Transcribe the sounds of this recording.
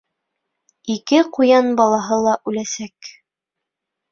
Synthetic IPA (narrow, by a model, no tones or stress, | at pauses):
ikɘqujɑnbɑlˠɑɦɤlˠɑʔʉlæsæk